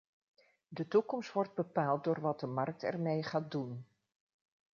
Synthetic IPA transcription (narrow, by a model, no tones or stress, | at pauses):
dətukɔmstʋɔrd̚bəpaːlˠt̚doːɹʋɑd̚dəmɑrk̚tɛ̰ɹmejχaːt̚dun